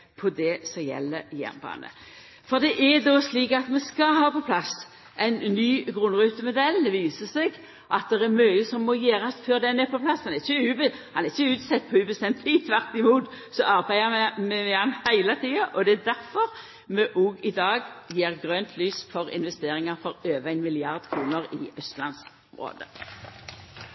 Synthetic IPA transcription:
pʰɔd̪ɛsɔjɛ̰lːəjæ̰ːʁnbɑ̰ːnə̰ | fɔʁd̪ɛʔæd̪ɔsliːkɑt̪mɛskɑɦɑːpɔpʰlɑs | ʔæɪnnːyːɡʁʊnʁʉːt̪əmʊd̪ɛlʋiːsəsɛɡ | ʔɑt̪̚d̪ɛʁæmœʏəsɔmːɔjeːɾɑsføːʁd̪ɛnɛpɔplɑshɑnɛɪçəʉːbhɑnæʁɪçəʉːt̪sɛt̪̚ːpʰɔʉbəst̪ɛmt̪ʰlɪt̪ʰʋæʁt̪ɪmuːt̪ | sɔʔɑʁbæɪəmɛmɛɑnhæɪlət̪ʰiːɑʔɔd̪ɛæd̪æʁfɔʁ | mɛʔuːɡɪd̪ɑːɡjeːʁɡʁønt̪ʰlyːsfɔʁɪ̰nʋɛst̪eːʁɪŋɑʁfɔʁøːʋəæɪnmɪlɪɑʁd̪kʰɾuːnəʁɪ̰œst̪lɑ̰ns | mʁo̰ːd̪ə̰

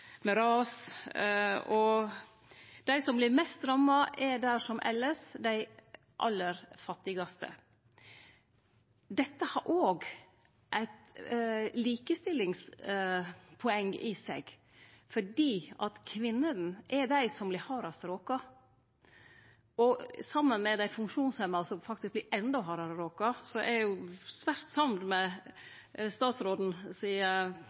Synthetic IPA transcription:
mɛɾɑːs | ɔ | d̪̥æɪsɔmblɪɾmɛst̪ɾɑmɑʔɛɖ̪æʂɔmʔɛ̰lːəsd̪æɪ | ʔɑ̰lːəɾfɑt̪ːɪɡɑst̪ə̰ | d̪ɛt̪ːəhɑɾʔoːɡ | ʔæɪt̪ | liːkəst̪ɪlːɪŋs | pʰɔɛŋːɪsɛ̰ɡ | fɔɖiːʔɑt̪kʰʋɪnːəd̪n̩ʔɛd̪æɪsɔmblɪhɑːɾɑsɾoːkɑ | ʔɔsɑmːənmɛd̪æɪfʉŋkʂuːnshɛmːɑsɔmfɑk̚t̪ɪsk̚blɪɾʔɛnd̪ɔɦɑːɾɑɾoːkɑsɔʔɛɾjʊsʋæɾt̪sɑmd̪mɛ | st̪ɑːt̪sɾoːd̪n̩siːə

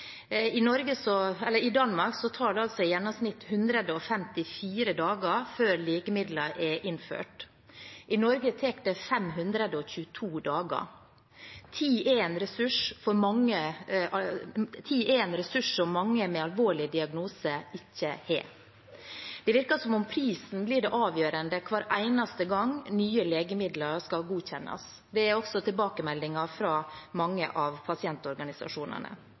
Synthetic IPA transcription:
ɪnɔɾɡəsɔɛlːəɾɪd̪ɑnmɑɾksɔt̪ʰɑːɖɛɑlsɔɪjɛnːɔmsnɪt̪hʉnd̪ɾəd̪əɔfɛmt̪ɪfiːɾəd̪ɑːɡəɾføːɾliːkəmɪd̪ləʔɛʔɪnfø̰ːʈ | ʔɪnɔɾɡət̪ʰɛkd̪əfɛmɦʉnd̪ɾəd̪əɔçʉːət̪ʰuːd̪ɑːɡə̰ | t̪ʰiːʔeːnɾɛsʉʂfɔɾmɑŋːəɑt̪ʰiːɛnɾɛsʉʂsɔmːɑŋːəmɛɑlʋoːɭɪd̪ɪɑɡnuːsəɪçːəhɛ̰ː | d̪̥ɛʋɪɾkɑsɔmɔmpʰɾiːsn̩blɪɖɛʔɑːʋjøːɾənd̪əkʰʋɑːɾʔæɪnɑst̪əɡɑŋnyːəleːɡəmɪd̪lɑɾskɑlɡuːçɛnːʔɑ̰s | d̪ɛæɾɔksɔt̪ʰɪlbɑːkəmɛld̪ɪŋɑfɾɑːmɑŋːə̰ʔɑʋpʰɑsɪɛnt̪ɔɾɡɑnɪsɑ̰ʂuːnə̰nə̰

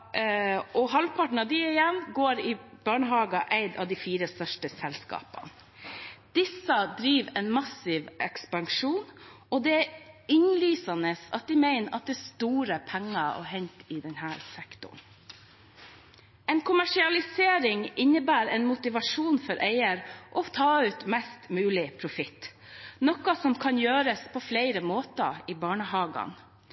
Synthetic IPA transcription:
ʔɔhɑlpʰɑʈɳ̩ɑd̪ɪɪjɛnɡoːɾɪb̥ɑːɳəɦɑːɡɑʔæɪd̪ɑ̰ʋd̪ifiːɾəst̪œʂʈəsɛlskɑ̰ːpɑ̰n | d̪̥ɪsəd̪ɾiːʋɛnmɑsɪʋʔɛkspɑŋʂuːn | ɔd̪ɛæɪnlyːsɑnəsɑ̰t̪̚d̪ɪmæɪnəʔɑ̰t̪̚d̪ɛːst̪uːɾəpʰæŋːɑɔ̰ɦɛnt̪ɪːd̪ɛnhæːɾsɛkt̪ʊ̰ɳ | ɛnkʰʊmæʂɪɑlɪseːɾɪŋɪnːəbæːɾɛːnmʊt̪ɪʋɑʂuːnfɔɾʔeɪəɾʔɔt̪ʰɑːʉːt̪mɛst̪mʉːlɪpʰɾʊfɪt̪ | nɔkɑsɔmkʰɑnjøːɾəspʰɔflæɪɾəmoːt̪ɑ̰iːbɑːɳəhɑːɡɑ̰n

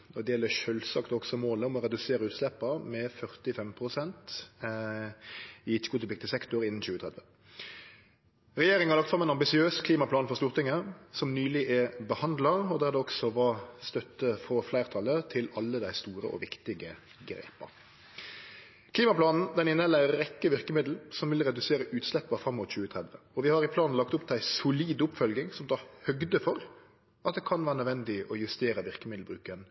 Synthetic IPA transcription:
ɔd̪ɛjɛlːəʃøːlsɑkt̪ɔksɔmoːləɔmɔɾɛd̪ʉseːɾəʉːt̪slɛpːəɾmɛfœʁt̪ɪfɛmpʰɾʊsɛnt̪ | ɪɪt͡ʃːəɡʊːt̪pɪk̚t̪əsɛkt̪ʊɾɪnːn̩ɕʉːət̪ʰʁɛd̪ʋə | ɾɛjeːɾɪŋhɑlɑkt̪fɾɑmɛnɑmbɪsɪøːskʰliːmɑpʰlɑːnfɔʁst̪uːɾʁt̪ɪŋːəsɔmnyːlɪʔæbəhɑnd̪lɑɾɔd̪æʁd̪ɛɔksɔʋɑst̪œt̪ːəfɔflæɪʁt̪ʰɑlːət̪ʰɪlɑlːəd̪æɪst̪uːɾə̰ʔɔ̰ʋɪkt̪ɪɡə | ɡɾḛːpɑ̰ɾ | kʰliːmɑpʰlɑːnn̩d̪ɛnɪnːəlæɪəɾɛkːəʋɪɾkəmɪd̪l̩sɔmʋɪlɾɛd̪ʉseːɾəʔʉːt̪slɛpːɑfɾɑmːʊt̪çʉːət̪ʰɾɛd̪ʋəɔʋɪhɑɾɪpʰlɑːnn̩lɑk̚t̪ʊpd̪æɪsʊliːd̪ʊpfœlɡɪŋsɔmd̪ɑhœɡd̪əfɔɾ | ʔɑt̪̚d̪ɛːkʰɑnʋæːɾənœd̪ʋɛnd̪ɪɔjʉst̪eːɾəʋɪʁkəmɪd̪l̩bɾʉːkən

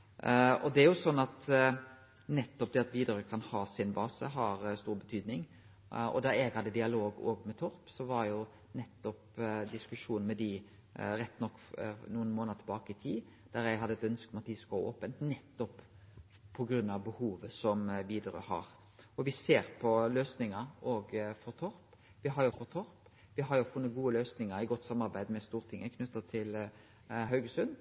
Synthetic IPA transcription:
ɔd̪ɛæɾjʊsɔnːɑt̪ | nɛt̪ːɔp̚d̪ɛɑt̪ʋiːd̪əɾøkʰɑnhɑːsɪnbɑːsəɦɑɾst̪uːɾbət̪ʰyːd̪nɪŋ | ɔ̰d̪ɑɾɛɡhɑd̪əd̪ɪɑloːɡo̰ːɡmɛt̪ʰɔɾpsɔʋɑɾjʊ | nɛt̪ːɔpd̪ɪskʉʂuːn̩mɛd̪ɪ | ɾɛt̪ːnɔkːnuːənmoːnəət̪ʰbɑːkəɪt̪ʰiː | d̪̥æɾjæɪɦɑd̪ːəɛt̪œnskɔmɑt̪d̪ɪskɔo̰ːpənt̪nɛt̪ːɔp | pʰːɔɡɾʉnːɑʋbəhuːʋəsɔmʋiːd̪ɾø̰hɑ̰ɾ | ɔʋɪseːɾpʰɔløːsnɪŋəɾɔɡfɔɾt̪ʰɔɾp | ʋɪɦɑɾjʊfɔɾt̪ʰɔɾp | ʋɪɦɑɾjʊfʊnːət̪̚ɡuːəløːsnɪŋəɾɪɡɔt̪ːsɑmːɑɾbæɪd̪mɛst̪uːɾt̪ʰɪŋːəkʰnʉt̪ːət̪ʰɪl | ɦœʉɡəsʉn

